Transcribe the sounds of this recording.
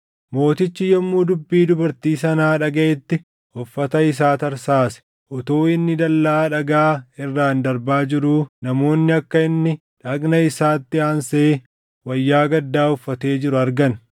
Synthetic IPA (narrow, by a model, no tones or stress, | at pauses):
mo̞ːt̪ɪt͡ʃːɪjɔmːuːd̪ʊbːiːd̪ʊbɐɾt̪iːsɐnaːᶑɐɡɐʔɛt̪ːɪ | ɔfːɐt̪ɐɪs̬aːt̪ɐɾsaːsɛ̥ | ʔɔt̪oːɪnːɪd̪ɐlːaːᶑɐɡaːɪrːaːnd̪ɐɾbaːd͡ʒɪɾuːnɐmo̞ːnːɪɐkːɐɪnːɪ | ᶑɐknɐɪsaːt̪ːɪaːnseː | wɐjːaːɡɐd̪ːaːɔfːɐt̪e̞ːd͡ʒɪɾʊɐɾɡɐn